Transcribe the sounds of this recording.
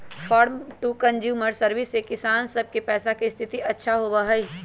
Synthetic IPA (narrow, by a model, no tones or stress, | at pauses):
fʰɔːɾmʈuːkɐ̃nd͡ʒjuːməɾsɐɾʋɪsːekɪsaːnsɐb̚kepɛːsakist̪ʰɪt̪iʔɐtːʃʰaɦobaɦɐi